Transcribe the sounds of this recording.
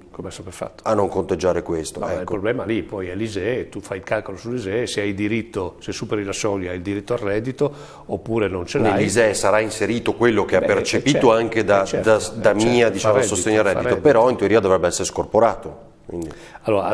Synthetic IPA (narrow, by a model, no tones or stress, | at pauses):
komeɛsopefːa̰t̪ːo̥anːoŋkont̪ed͡ʒːaːɾekwest̪oɛkilːpɾoblɛːmalipɔjɛlizɛt̪ufajilkalkolosulːizɛseajd̪iɾit̪ːosesupeɾilasɔljaajld̪iɾit̪ːoarːɛd̪it̪o | opːuːɾenont͡ʃellnealːizɛsaɾainseɾiːt̪okwelːokeapːert͡ʃepiːt̪oaŋked̪ad̪ad̪amiːad̪it͡ʃaːmodsost̪eɲːoarːɛdit̪od̪peɾɔint̪uoɾiːad̪ovɾɛbːeɛsːeɾeskorpoɾaːt̪o | kwḭnd̪i | alːoːɾa̰